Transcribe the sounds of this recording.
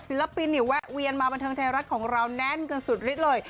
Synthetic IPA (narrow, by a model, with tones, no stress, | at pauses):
si˨˩˦la˧pi˧nːi˨˩˦wɛ˦˥ʔwi˧ənmaː˧ba˧nt̪ʰɤː˧ŋt̪ʰaː˧ɾa˦˥t̪̚kʰɔː˩˦ŋɾa˧wnɛ˦˥nkɤ˧nsu˨˩t̪̚ɾi˦˥t̪̚lɤː˧j